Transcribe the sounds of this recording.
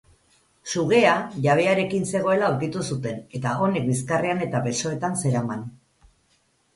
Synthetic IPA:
suɣe̞aʝaβ̞e̞aɾe̞kinse̞ɣ̞o̞e̞laoɾkit̪usut̪e̞ne̞t̪ao̞ne̞k̚bis̬kareane̞t̪aβe̞so̞e̞t̪anse̞ɾaman

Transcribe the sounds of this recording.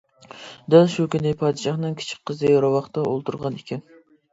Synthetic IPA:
d̪ɛlˠʃukʲynɪpʰɑːd̪ɨʃɑχnɨŋkʲʰɪ̥t͡ʃʰɪ̥k̚ʲqʰːəzɨjɾɑwɑχt̪ɑolˠt̪ʰuɾʁɑnikʲʰɛn

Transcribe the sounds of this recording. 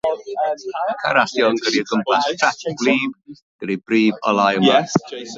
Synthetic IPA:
kʰaɾasjɔnɡəɾiəɡəmpʰastʰrɛtb̥liːb̥ | ɡ̥əɾibriːbɔ̰lˠajəma

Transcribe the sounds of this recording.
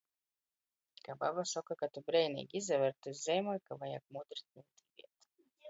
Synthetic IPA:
kaba̰basɔkakat̪ubɾɛjnʲɛ̰ɡʲizʲɛvɛɾt̪uzzʲɛjmɔjkavaja̰k̚mud̪ɾit̪̚ʲnuːt̪ivḭɛt̪

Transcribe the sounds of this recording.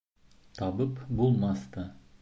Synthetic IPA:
t̪ʰɑbəpbolˠmɑst̪ə

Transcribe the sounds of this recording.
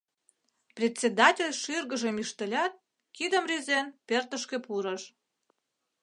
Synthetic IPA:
prʲet̪ʲsʲed̪ɑtʲelʲʃirɣəʒə̆miʃt̪ə̆lʲɑt̪̚ | kid̪ə̆mrʲyzenpert̪ə̆ʃkepuɾə̆ʃ

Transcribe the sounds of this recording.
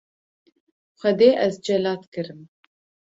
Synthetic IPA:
xʷɛd̪eːʔɛzd͡ʒɛlɑːt̪kɨɾɨm

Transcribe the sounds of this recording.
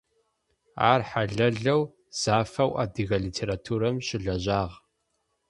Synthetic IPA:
a̰ːrħaɮɐɮɐw | z̥aːfɐwʔa̰ːdiɣɐɮitʰeːɾaːtʰuːɾɐmɕɪɮɐʑaːʁ

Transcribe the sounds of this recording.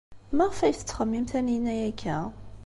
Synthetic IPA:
mæʁfæjθə̥t͡sːχəmːimθænijnːæjækʰːæ

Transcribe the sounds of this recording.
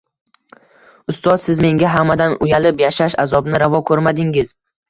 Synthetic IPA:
ʊst̪ɒzsɪzme̞ŋɡʲaɦamad̪anʊjalɪpjaʃaʃazɒbnɪɾavɒkʰɵɾmad̪ɪŋɪz

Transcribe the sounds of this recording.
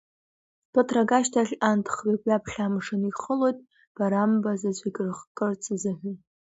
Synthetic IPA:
tatʰraɡaʃtʰaɬʲantʰχrikʼapʰχʲamʂɨniχəlo̞jtʼ | b̥aɾambazat͡ɕʷʼiɡʼrχqʼɨrt͡sʰɨzɨħʷʏ

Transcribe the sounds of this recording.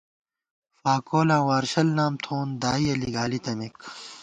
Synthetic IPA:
faːkoːlaːwaːɾɕɐlnaːmt̪ʰoːnd̪aːiɐliɡaːlit̪ɐmik

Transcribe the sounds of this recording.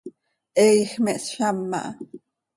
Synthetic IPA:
ʔɛjxmɛʔsʃamːa̰ʔ

